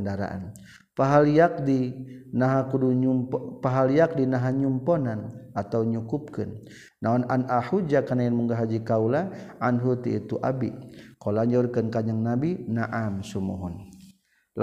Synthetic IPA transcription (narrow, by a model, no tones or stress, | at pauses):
ndaɾa̰ʔa̰n | paɦaljak̚dinaɦakuduɲumppaɦalijak̚dinaɦaɲumpɔnanat̪awɲukup̚kɨnː | aɔnanahud͡ʒakanajanmuŋɡaɦad͡ʒikaulaʔanɦut̪iit̪uʔa̰bikolaɲd͡ʒaurkənkaɲaŋnabinaʔamsumṵɦun | l